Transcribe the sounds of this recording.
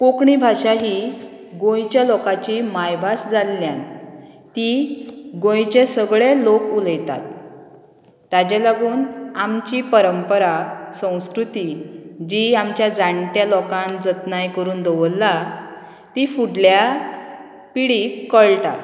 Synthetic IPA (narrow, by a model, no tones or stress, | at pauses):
kokɳibʱaʂaɦiː | ɡõjt͡ɕjalɔkat͡ɕimajbʱasd͡zalːjan | t̪iɡõjt͡ɕesəɡɭelokuləjt̪a̰t̪̚ | ad͡ʑelaɡuːnamt͡ɕiːpəɾəmpəɾasə̃w̃skɾut̪id͡ʑiamt͡ɕjad͡zaɳʈjalɔkãnd͡zət̪najkəɾuːnd̪əʋəlːa | t̪ifuɽlja | piɽikːəɭʈa̰